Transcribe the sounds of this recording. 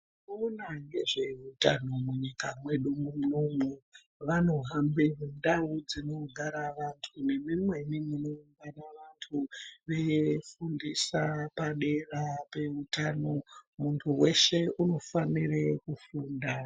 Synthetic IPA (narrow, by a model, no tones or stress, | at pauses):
noonaŋɡe̞ʐe̞utano̞muɲikamwe̞ɗumumnomu | ʋano̞ɦambeɦindaud͡zino̞ɡʱaɾaʋantʰune̞mimwe̞niminoimbanaʋantʰuʋe̞fundisapaɗe̞rape̞utaːno̞muntʰuwe̞ʃeʔuno̞faniɾekufuːnda